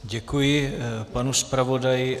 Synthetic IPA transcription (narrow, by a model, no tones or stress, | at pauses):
ɟɛkujɪpanuspɾavo̞dajɪ